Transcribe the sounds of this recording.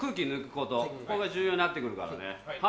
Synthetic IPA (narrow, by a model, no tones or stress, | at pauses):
kɯ̟ːkʲinɯkɯ̟̥ko̞t̪oko̞eɡaʑɨːjoːɲ̟ʲinat̪ːe̞kɯ̟ɾɯ̟ka̰ɾa̰nḛha